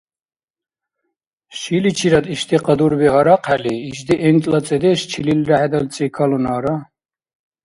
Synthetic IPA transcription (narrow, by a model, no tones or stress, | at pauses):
ʃilit͡ʃʰiɾad̪iʃd̪iqʼad̪uɾbiɦɔɾaqʰaliːʃd̪iʔɛnt̪ʼlat͡sʼɛd̪ɛʃt͡ʃʰililɾaʕɛd̪alt͡sʼikʰalunaːɾa